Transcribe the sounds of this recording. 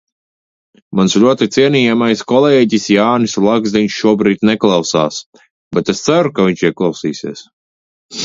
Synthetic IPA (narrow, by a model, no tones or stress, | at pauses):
mansʎʲuɔt̪it̪siɛniːjamajskɔlɛːɟisjaːnisulˠaɡzd̪iɲʃʃuɔbɾiːt̪nɛklˠawsaːs | bɛt̪est̪saɾukavʲiɲʲt͡ʃiɛklˠawsiːsiɛs